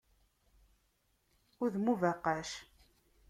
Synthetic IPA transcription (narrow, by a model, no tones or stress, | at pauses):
ʊɾðmuvæqːaʃ